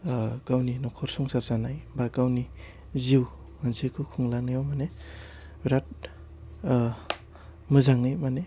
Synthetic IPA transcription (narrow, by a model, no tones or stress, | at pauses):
kawninɔkʰɔɾsɔŋsaɾzanajbakawni | ziw | mansikʰɯkʰuŋlanajɔmane | biɾat̚ | mɯzaŋnɯjmane